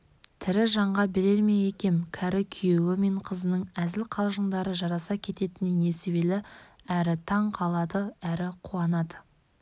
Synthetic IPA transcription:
t̪ʰɪɾɪʒɑɴʁɑbɪɾe̞ɾme̞jekʲe̞mkʲʰæɾɪkʲʰʏjewɪme̞ɴqʰəzənəɴæzɪlqʰɑlˠʒəɴd̪ɑɾəʒɑɾɑsɑkʲʰe̞t̪e̞t̪ɪnɪne̞seβe̞lɪ | æɾɪt̪ʰɑɴqʰɑlˠɑd̪əæɾɪqʰuɑnɑd̪ə

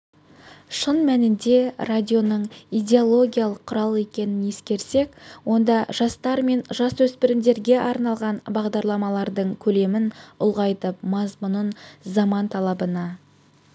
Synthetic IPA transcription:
ʃənmænɪnd̪e̞radʲijo̞nəɴijdʲe̞o̞lˠo̞ɡʲijɑlˠəqʰːʊɾɑlˠe̞kʲe̞nɪne̞skʲe̞ɾse̞kwo̞nd̪ɑʒɑst̪ɑɾme̞nʒɑswɵspɪɾɪmd̪e̞ɾɡʲe̞ʔɑɾnɑlˠʁɑnbɑʁd̪ɑɾlˠɑmɑlˠɑɾd̪əɴkʲʰɵle̞mɪnʊlˠʁɑjt̪əpmɑzmʊnənzɑmɑnt̪ʰɑlˠɑbənɑ

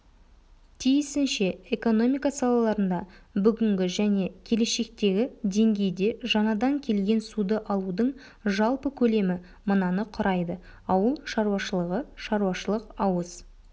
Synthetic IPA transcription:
t̪ʰijɪsɪnʃe̞eko̞no̞mijkɑsɑlˠɑlˠɑɾənd̪ɑbʏɡʲɪŋɡʲɪʒæne̞kʲʰe̞le̞ʃe̞k̚t̪e̞ɡʲɪd̪e̞ŋɡʲe̞jd̪e̞ʒɑnɑd̪ɑŋkʲʰe̞lɡʲe̞nsud̪əʔɑlˠud̪əɴ | ʒɑlˠpəkʲʰɵle̞mɪ | mənɑnəqʰʊɾɑjd̪ə | ɑwəlˠʃɑɾuwɑʃəlˠəʁəʃɑɾuwɑʃəlˠəqɑwəz

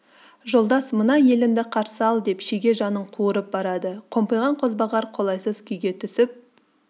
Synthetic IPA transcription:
ʒo̞lˠd̪ɑsmənɑje̞lɪnd̪ɪqʰɑɾsəɑlˠd̪e̞pʃeɡʲe̞ʒɑnəɴqʰuəɾəp̚bɑɾɑd̪əqʰo̞mpəjʁɑɴqʰo̞zbɑʁɑɾqʰo̞lˠɑjsəzkʲʰʏjɡʲe̞t̪ʰʏsɪp̚

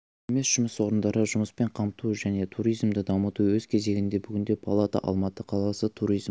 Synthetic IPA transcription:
eme̞sʒ̥ʊmɪswo̞ɾənd̪ɑɾəʒʊməspe̞ɴqʰɑmt̪uʒæne̞t̪ʰuɾijzmd̪əd̪ɑmət̪uwɵz̥kʲʰe̞ze̞ɡʲɪnd̪e̞bʏɡʲɪnd̪e̞pʰalˠat̪ɑ̰ʔɑ̰lˠmɑt̪əqʰɑlˠɑsət̪ʰuɾijz

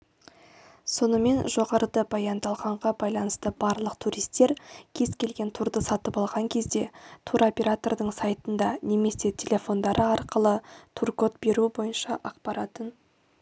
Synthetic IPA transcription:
so̞nəme̞nʒo̞ʁɑɾəd̪əbɑjɑnd̪ɑlˠʁɑɴʁɑbɑjlˠɑnəst̪əbɑɾlˠəq̚t̪ʰuɾijst̪e̞ɾkʲʰe̞zkʲʰe̞lɡʲe̞nt̪ʰuɾd̪əsɑt̪əpɑlˠʁɑŋkʲʰe̞zd̪e̞t̪ʰuɾo̞pʲe̞ɾat̪o̞rd̪əɴsɑjt̪ənd̪ɑne̞me̞se̞t̪ʲʰelʲe̞fo̞nd̪ɑɾʔəɑɾqəlˠət̪ʰurko̞t̪be̞ɾubo̞jənʃɑʔɑqpɑɾɑt̪ən

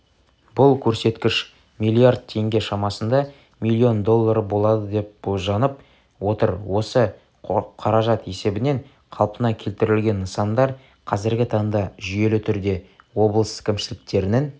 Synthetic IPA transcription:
b̥ʊlˠkʲʰɵɾse̞t̪kʲɪʃ | mijlʲˠiard̪̚t̪ʰe̞ŋɡʲe̞ʃɑmɑsənd̪ɑ | milʲːio̞nd̪o̞lˠːɑɾəbo̞lˠɑd̪əd̪e̞p̚boʒɑnəp̚ | wo̞t̪əɾwo̞sə | qʰɑɾɑʒɑt̪e̞se̞bɪne̞ɴ | qʰɑlˠpənɑkʲʰe̞lt̪ɪɾɪlɡʲe̞nːəsɑnd̪ɑɾ | qʰɑzɪɾɡʲɪt̪ʰɑŋd̪ɑʒije̞lɪt̪ʰʏɾd̪e̞ | wo̞blˠəskʲʰɪmʃɪlɪk̚t̪e̞ɾɪnɪŋ

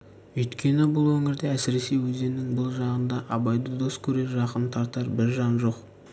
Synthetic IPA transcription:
ɵjt̪kʲʰe̞nɪbʊlˠwɵŋɪɾd̪eæsɪɾe̞se̞jwɵze̞nɪŋbʊlˠʒɑʁənd̪ɑʔɑbɑjd̪əd̪o̞skʲʰɵɾe̞ɾʒɑqənt̪ʰɑɾt̪ɑɾbɪɾʒɑnʒo̞q

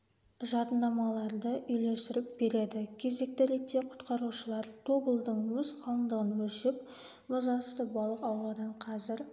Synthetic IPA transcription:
ʒɑt̪ənd̪ɑmɑlˠɑɾd̪əʔʏjle̞sɪɾɪp̚be̞ɾe̞d̪ɪkʲʰe̞ze̞k̚t̪ɪɾe̞k̚t̪ːe̞qʰʊ̥t̪qɑɾuʃəlˠɑɾt̪ʰo̞bəlˠd̪əɴmʏsqʰɑlˠənd̪əʁənwɵʃep̚ | mʊzɑəst̪əbɑlˠəqɑwlˠɑd̪ɑɴqʰɑzɪɾ

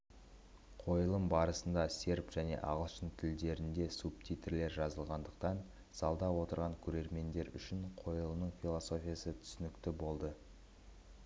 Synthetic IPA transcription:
qʰo̞jəlˠəmbɑɾəsənd̪ɑse̞ɾpʒ̥æne̞̰ʔɑ̰ʁəlˠʃənt̪ʰɪld̪e̞ɾɪnd̪e̞sup̚t̪ʲʰit̪rle̞ɾʒɑzəlˠʁɑnd̪əq̚t̪ɑn | sɑlˠd̪ɑwo̞t̪əɾʁɑŋkʲʰɵɾe̞ɾme̞nd̪e̞ɾʏ̰ʃɪɴqʰo̞jəlˠəmnəɴfʲilˠo̞so̞fʲijasət̪ʰʏ̥sʏnɪkt̪ɪbo̞lˠd̪ə

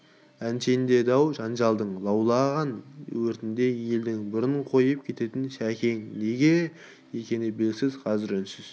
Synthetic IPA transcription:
ænʃend̪e̞d̪ɑwʒɑnʒɑlˠd̪əɴlˠɑwlˠɑʁɑnwɵɾt̪ɪnd̪e̞je̞ld̪ɪŋbʊɾɪɴqʰo̞jəp̚kʲʰe̞t̪e̞t̪ɪnʃækʲʰe̞ŋne̞ɡʲe̞ | ekʲe̞nɪbelɡʲɪsɪzqʰɑzɪɾænʃɪz

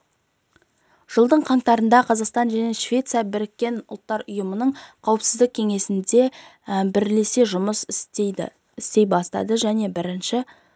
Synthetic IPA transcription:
ʒ̥əlˠd̪əɴqʰɑɴt̪ɑɾənd̪ɑqʰɑzɑqst̪ɑnʒæne̞ʃvʲe̞t̪sɨjɑbɪɾɪkʲːe̞nʊlˠt̪ːɑɾʊjəmənəɴqʰɑwəpsɪzd̪ɪk̚ʲʰe̞ŋe̞sɪnd̪e̞ | bɪɾle̞se̞ʒʊməsɪseɪ̰ | ɪst̪e̞jbɑst̪ɑ̰d̪əʒæne̞bɪɾɪnʃɪ

